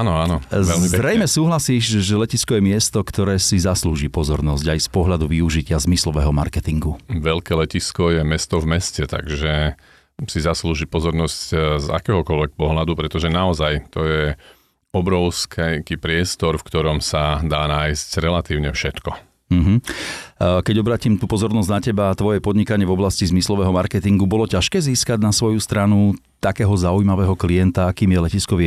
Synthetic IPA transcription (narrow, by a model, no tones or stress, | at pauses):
anɔanɔzʋɛlmizɾɛjmɛsuːɦlasiːʃʒɛlɛciskɔjɛmɪɛst̪ɔkt̪ɔɾɛːsizasluːʒipɔzɔɾnɔzɟajspɔɦʎad̪uʋiuʒicɪazmislɔʋɛɦɔma̰ɾkɛt̪iŋɡuʋɛʎkɛːlɛciskɔjɛmɛst̪ɔvmɛscɛt̪a̰ɡʒɛ | sizasluːʒipɔzɔɾnɔscza̰kɛːɦɔkɔlʋɛk̚pɔɦlad̪upɾɛt̪ɔʒɛnaɔzajt̪ɔjɛ | ɔbɾɔʊskʰɛkipɾɪɛst̪ɔɾfkt̪ɔɾɔmsad̪aːnaːjscɾɛlat̪iːʊɲɛfʃɛt̪kɔ | m̩ɦ̩ | kɛɟɔbɾaːcimt̪upɔzɔɾnɔzɟnacɛbat̪ʋɔjɛpɔd̪ɲikaɲɪɛvɔblascizmislɔʋɛːɦɔmaɾkɛt̪iŋɡubɔlɔcaʃkɛːziːskaɟnasʋɔjust̪ɾanu | t̪akɛːɦɔzaujmaʋɛːɦɔklijɛnt̪aakiːmjɛlɛciskɔʋi